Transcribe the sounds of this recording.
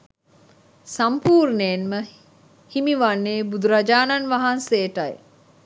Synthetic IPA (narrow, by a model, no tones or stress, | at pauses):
sampuːɾnenmə | himiʋanːeːbud̪uɾad͡ʒaːnanʋaɦanseːʈaj